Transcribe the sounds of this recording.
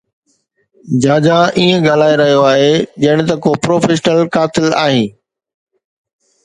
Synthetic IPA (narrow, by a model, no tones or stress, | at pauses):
d͡ʑaːd͡ʑaʔiːə̃ɡɐl̤aːeɾɐɦijoaːɦed͡ʑɐɽ̃̆t̪ɐkopɾoːfeːʃnəlkaːt̪ɪla̰ːɦĩː